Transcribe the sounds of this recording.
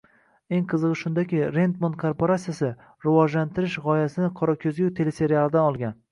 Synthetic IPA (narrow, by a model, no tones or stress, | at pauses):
e̞ŋqʰɨzɨʁɨʃʊnd̪akʲɪɾe̞nt̪mont̪̚kʰoɾpoɾasijasɪ | ɾɪvɒʒlant̪ʰɪɾɪʃʁɒjasɪnɪqʰɒɾɒkʲʰɵzɡʲɪt̪ʰe̞lese̞ɾialˠɪd̪anɒlˠɡʲan